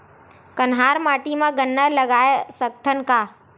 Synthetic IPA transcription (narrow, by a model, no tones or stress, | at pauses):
kɐnɦaːɾmaːʈimãɡənːəlɐɡaːjesək̚t̪ʰənɪ̆kaː